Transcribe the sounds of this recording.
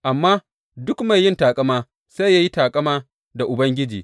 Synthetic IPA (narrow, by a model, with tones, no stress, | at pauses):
ʔa˨mːaː˦ | dʊ˦kma˨jːɪ˦ntaː˨kʼɐ˦maː˦ | sa˦jaː˦ji˦taː˨kʼɐ˦maː˦ | da˨ʔʊ˨bɐ˦ŋɡʲɪ˦d͡ʒḭː˨